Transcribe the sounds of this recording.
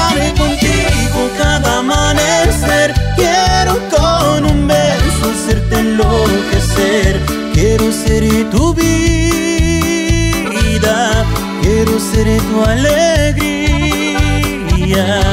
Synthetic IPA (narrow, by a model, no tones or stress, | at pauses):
alekõnt̪iɣokaðamaneseɾkjɛɾokonũmbensoseɾt̪elokeseɾ | kjɛɾoseɾit̪uβi | id̪a | kjeɾuseɾet̪ualeɡɾi | a